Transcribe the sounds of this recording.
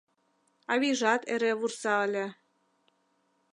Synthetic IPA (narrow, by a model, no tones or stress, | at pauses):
ɑβiʒɑt̪eɾeβursɑəlʲĕ